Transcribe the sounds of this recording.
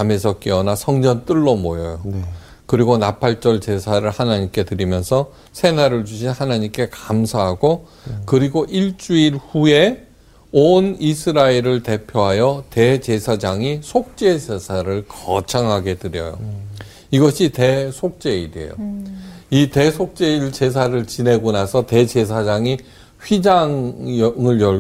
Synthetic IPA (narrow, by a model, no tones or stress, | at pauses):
ame̞sʰʌk͈iʌnasʰʌŋd͡ʑʌnt͈ɯɭːomojʌjo | kɯɾiɡonapʰaɭt͡ɕ͈ʌɭt͡ɕe̞sʰaɾɯɭhanaɲimk͈e̞tɯɾimjʌnsʰʌ | sʰe̞naɾɯɭd͡ʑuɕ̬ʰinhanaɲimk͈e̞kamsʰaɦaɡo | kɯɾiɡoʔiɭt͡ɕ͈uiɾhue̞ | onisʰɯɾaeɾɯɭte̞pʰjoɦajʌte̞t͡ɕe̞sʰad͡ʑaŋisʰok̚t͡ɕ͈e̞sesʰaɾɯɭkʌt͡ɕʰaŋɦaɡe̞tɯɾjʌ̰jo̰ | iɡʌɕʰite̞sʰok̚t͡ɕ͈e̞idḛjo̰ | ite̞sʰok̚t͡ɕ͈eiɭt͡ɕes̬ʰaɾɯɭt͡ɕine̞ɡonasʰʌte̞d͡ʑe̞s̬ʰad͡ʑaŋi | ɸid͡ʑaŋŋɯɭjʌ